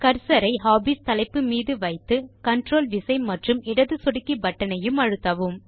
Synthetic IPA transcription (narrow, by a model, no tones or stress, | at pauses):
kɐɾsɐɾɐɪɦaːbiːst̪ɐlɐɪpːɯmiːðɯʋɐɪt̪ːɯkɐɳʈroːlʋɪsɐɪmɐʈrɯmɪɽɐðɯsɔɽɯkːibɐʈːɐnɐjɯmɐɻɯt̪ːɐʋɯm